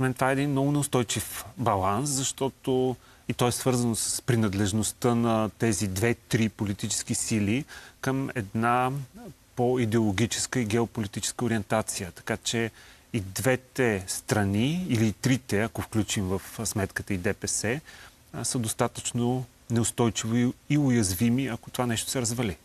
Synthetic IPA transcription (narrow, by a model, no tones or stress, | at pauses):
mɛnt̪ovaɛːd̪inmnɔɡʊnɛʊst̪ɔjt͡ʃifbɐlˠanszɐʃt̪ɔt̪o | it̪ɔɛsvɤɾzənosə̥spɾinɐd̪lɛʒnost̪ənɐt̪ɛzid̪vɛt̪ɾipolit̪it͡ʃɛ̥sk̟isilikəmɛ̰d̪na | poid̪ɛolˠoɡʲit͡ʃɛ̥skəiɡɛopolit̪it͡ʃɛ̥skəoɾiɛnt̪at̪sijət̪ɐ̥kat͡ʃɛ | id̪vɛt̪ɛst̪ɾɐniiliːt̪ɾit̪ɛɐkofklʲut͡ʃimvəfsmɛt̪kət̪əid̪ɛpɛsɛ | səd̪ost̪at̪ət͡ʃno | nɛʊst̪ɔjt͡ʃivoiʊjɐzvimiɐko̥t̪ovanɛʃt̪o̥sɛɾɐzvɐli